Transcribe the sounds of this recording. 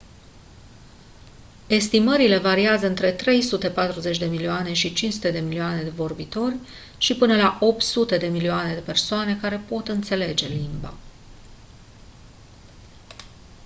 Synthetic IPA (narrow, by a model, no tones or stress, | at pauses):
e̞st̪iməɾile̞vaɾiazəɨnt̪ɾe̞t̪ɾe̞jsut̪e̞pat̪ɾuze̞t͡ʃʲd̪e̞milioane̞ʃit͡ʃinsut̪e̞d̪e̞milioane̞d̪e̞vo̞rbit̪o̞rʲ | ʃipɨnəlaʔo̞p̚t̪sut̪e̞d̪e̞milioane̞d̪e̞pe̞rsoane̞kaɾe̞po̞t̪ɨnt̪se̞le̞d͡ʒe̞limba̰